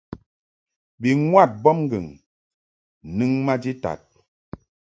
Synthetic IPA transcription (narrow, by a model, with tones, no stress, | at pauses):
bi˨ŋwa˦˨t̚bɔ˦mŋ̩˦ɡɨ˨ŋ | nɨ˦ŋma˦d͡ʒi˦ta̰˨t̚